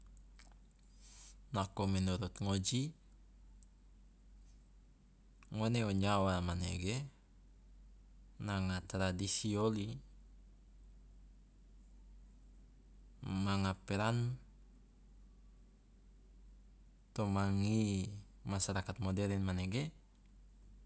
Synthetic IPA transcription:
nakɔmɛnuɾut̪̚ŋod͡ʒi | ŋoneɔɲawamanḛɡɛ | naŋat̪ɾadisioli | maŋapɛɾan | t̪ɔmaŋi | masaɾakat̪̚mɔdɛɾinmaneɡɛ

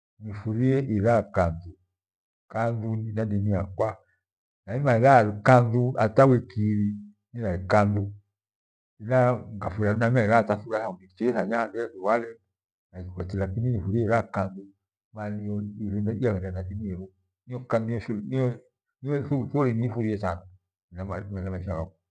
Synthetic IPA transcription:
nifuɾiɛʔiɾakandu | kanduninadiniakwa | naimailaɾikanduatawɛkiɾi | niɾaikandu | ilaŋɡafuɾanamaiɾataθuɾahaunit͡ʃɛθaɲadɛwalɛ | nakikʷat͡ʃilapininifuɾiɛɾakandu | maniɔɛiahɛndanadiniɛɾu | niɔkaniɔniɔ | niɔuθoɾinifuɾiɛsana | namamaamaʃaɡa̰ka

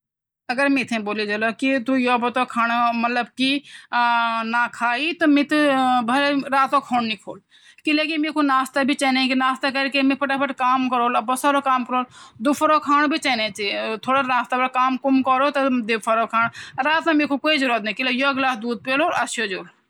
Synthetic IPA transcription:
ɐɡəɾmit̪ʰẽboːlid͡ʒɐlokit̪ujobɐt̪okʰaːnmɐt̪ləb̚ki | nakʰaːit̪ɔmit̪bʱɐleɾaːt̪okʰoːnnikʰo̰ːl | kilekimeːkʰonaːst̪abʱit͡ʃɛːnẽkinaːst̪akɐɾkemipʰɐʈapəʈkaːmkəɾoːlɐbɔsaɾokaːmkəɾoːld̪upʰɐɾokʰaːnbʱit͡ʃɛːnẽt͡ʃit̪ʰoːɽaɾaːst̪abɐkaːmkumkɔɾot̪ɔd̪epʰɐɾokʰaːnɾaːt̪nãmekʰokoːid͡ʒʊɾət̪̚nẽkilojoɡlaːsd̪uːd̪̚peːloɐsjod͡ʒoːl

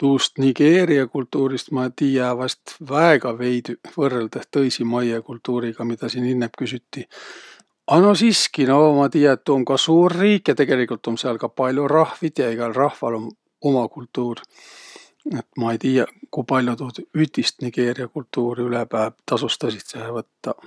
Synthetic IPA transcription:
t̪uːst̪niɡ̥e̞ːɾiɑkult̪ːuːɾist̪mɑet̪iːjɑvɑst̪væeɡ̥ɑve̞jd̪̥vɤrːeld̪̥eht̪ɤjsimɑjekult̪ːuːɾiɡ̥ɑmid̪ɑsiːninːepkys̬yt̪ːi | ɑnosiskinomɑt̪iːjɑet̪t̪ːuːmkɑsuːrːiːkjɑt̪e̞ɡ̥e̞likult̪o̞mseɑlkɑpɑlʲjorɑhvit̪ʲjɑiɡ̥ɑlrɑhvɑlo̞m | o̞mɑkult̪ːˑuːr | et̪mɑejt̪iːjɑkujpɑlʲjot̪ud̪̥yd̪̥ist̪niɡ̥e̞ːɾiɑkult̪ːuːɾiylepæːbt̪ɑsust̪ɑsit̪sehevɤt̪ːɑ

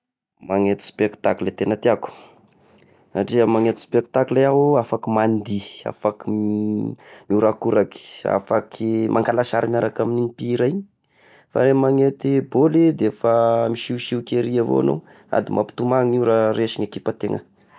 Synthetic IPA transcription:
maŋet̪i̥spekt̪aklet̪enat̪iaku̥ | aʈ͡ʂiəmaŋet̪i̥spek̚t̪aklaafakimand̪ia̰faki | muɾakuɾaki̥a̰fakʰimʔaŋkalaʃaɾimaɾakaminiɲipiɾaiɲi̥ | fa̰ɾemaŋet̪ibolid̪efamiʃiwʃiukʲeɾiavo̰a̰no̰ | a̰d̪imʔa̰pi̥t̪umaŋuɾaɾeʃiŋekipat̪eŋə̰

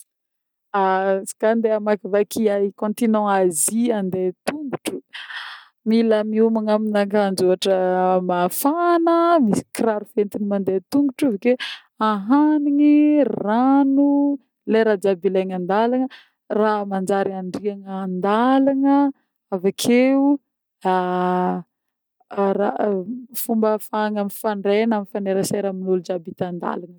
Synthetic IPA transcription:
asḁkand̪eamakivakiakõnt̪inɔ̃aziand̪et̪umɡuʈ͡ʂu | milamiumaŋaminakand͡ʒoaʈ͡ʂəmafanəmisi̥kraɾufent̪inimand̪et̪umɡuʈ͡ʂiveke | aɦaniŋiranu | leɾad͡ʒabilajŋand̪alaŋə | ramand͡ʒaɾiaɳɖ͡ʐiaŋand̪alaŋə | avakʰeu | a | rafumbəfaŋamifaɳɖ͡ʐenamifaneɾasajɾaminulud͡ʒabit̪and̪a̰lanə

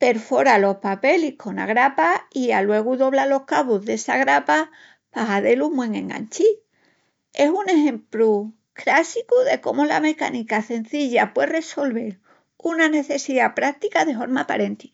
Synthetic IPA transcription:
pe̞ɾfo̞ɾalo̞hpape̞likʰo̞na̰ɣ̞ɾapaialwe̞ɣ̞uðo̞β̞lalo̞hkaβuzðe̞saɣɾapa | paɦaðe̞lumwe̞ŋẽ̞̰ŋa̰nt͡ʃi | e̞sune̞ɦẽ̞mplu | kɾasikuðe̞ko̞̰mola̰me̞ka̰nikase̞n̟θiʎapwere̞so̞lβe̞ɾ | unane̞θe̞siðapɾak̚t̪ikaðe̞fo̞ɾmapaɾe̞nt̪i̥

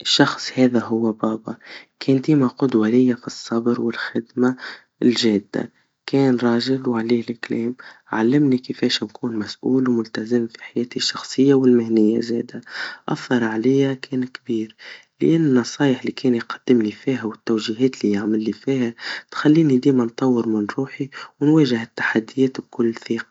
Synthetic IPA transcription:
ʔɪʃːɑxsˤhɛːðæɦʊwːæbɑːbɑkʰɛːnd̪iːmaqʊd̪walɪjːafisˤːɑbɾwɪlxɪd̪ma | lʒæːd̪ːa̰ | kɛːnɾˤɑːʒɪlwʕliːhɪlʔɪklɛːmʕalːɪmnikəfɛːʃmkʰuːnmæsʔuːlwmʊlt̪æzəmfi̥ħajɛːt̪iʃːɑxsˤəjːawɪlmɪhnɪjːa̰zɛːd̪aʔɑθːɑɾˤʕalɪjækʰɛːnkbiːɾ | lʔɪnːɪnːɑsˤɑːjəħlikɛːnjqɑd̪̥ːɪmlifiːɦæwɪt̪ːæwʒiɦɛːt̪lijaʕmɪlːifiːhæt̪xalːiːnid̪iːmant̪ˤɑwːəɾmɪnɾuːħiwnwæːʒəhɪt̪ːḁħad̪ːijɛːt̪bkʊlːθiːqɑ̥

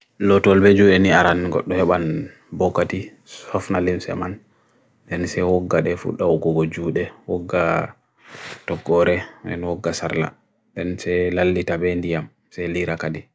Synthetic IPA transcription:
lɔtɔlbed͡ʒuɛniaɾanɡɔ̰ɗːɔhɛɓan | bɔkːati | sɔfnalimsɛ̰man | ɗɛnsɛwɔɡːaɗɛfṵɗːaɔɡɔɡɔd͡ʒuɗɛwɔɡːa | tɔɡːɔɾɛdɛ̰nhɔɡːasa̰ɾla̰ | ɗɛnsɛlalːitabɛndijam | sɛliɾakadi

